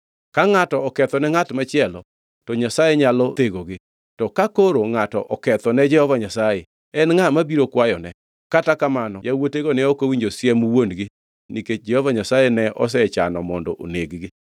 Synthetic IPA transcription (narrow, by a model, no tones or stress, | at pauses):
kaŋatɔɔkɛt̪ɔnɛŋatmat͡ʃɪɛlɔ | tɔɲasajeɲalɔteɡoɡɪ | tɔkakoɾoŋatɔ̰ʔɔkɛt̪ɔnɛd͡ʒɛhɔvaɲasaje | ɛnŋamabiɾokwajɔnɛ | katakamanɔjawoteɡonɛokowiɲd͡ʒosjɛmuwonɡɪ | niked͡ʒɛhɔvaɲasajenɛɔ̰s̬ɛt͡ʃanɔmɔndɔ̰ʔo̰neɡɡɪ